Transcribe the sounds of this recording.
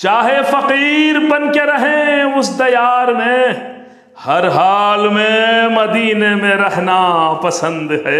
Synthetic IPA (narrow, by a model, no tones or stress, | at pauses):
t͡ʃaːɦefɐqiːɾbɐnkeɾɐɦẽʊsd̪ɐjaːɾmẽ | hɐɾɦaːlmẽmɐd̪iːnemẽɾɛɦnapɐsə̃nd̪ɦɛː